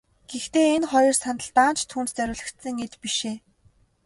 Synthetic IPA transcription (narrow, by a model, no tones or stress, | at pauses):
ɡ̥ext̪eːenχɔjɞ̆rsant̪ə̆ɮt̪aːnt͡ɕʰt̪ʰuːnt̪t͡sœɾʲʊːɮə̆kt̪sɘ̆ŋet̪piʃeː